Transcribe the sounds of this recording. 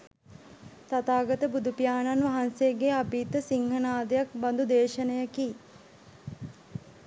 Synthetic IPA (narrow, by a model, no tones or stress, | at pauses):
t̪at̪aːɡət̪əbud̪upijaːnanʋaɦansejɡeapiːt̪ːəsiŋhənaːd̪əjakband̪ud̪eːʃənəjəki